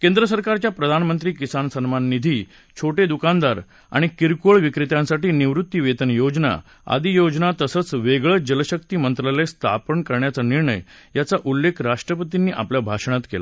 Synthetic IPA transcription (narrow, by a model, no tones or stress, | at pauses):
kend̪ɾəsəɾkaɾt͡ɕjapɾəd̪ʱanmənt̪ɾiːkisansənmanːid̪ʱiː | t͡ɕʰoʈed̪ukand̪aɾ | a̰ɽ̃ikiɾkoɭʋikɾit̪jãnsaʈiːniʋɾut̪ːjiʋet̪ənjod͡ʑna̰ | a̰d̪ijod͡ʑnat̪əsət͡sʋeɡɭəd͡ʑələɕək̚t̪iːmənt̪ɾəlest̪ʰa̰pəɳkəɾɳjat͡saniɾɳə̰jjat͡saʔulːekʰɾaʂʈɾəpət̪inːiːʔapljabʱaʂɳ̃at̪kḛla